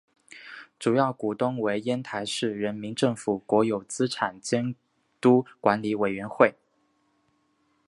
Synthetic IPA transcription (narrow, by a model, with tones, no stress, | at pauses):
ʈ͡ʂu˨˩jɑ˥˩ʊku˨˩t̪ʊ˥ŋwe˧˥ɪjɛ˥nt̪ʰa˧˥ɪʂɻ̩˥˩ɻə˧˥nmi˧˥ŋʈ͡ʂɤ˥˩ŋfu˨˩kwɔ˧˥jo˨˩ʊt͡sɹ̩˥ʈ͡ʂʰa˨˩nt͡ɕjɛ˥n | t̪u˥kwa˧˥nli˧˥we˨˩ɪɥɛ˧˥nxwe˥˩ɪ